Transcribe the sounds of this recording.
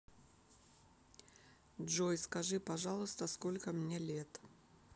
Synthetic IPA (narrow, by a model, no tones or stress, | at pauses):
dʐojskɐʐɨpɐʐɑlˠʊst̪əskolʲkəmnʲe̞lʲe̞t̪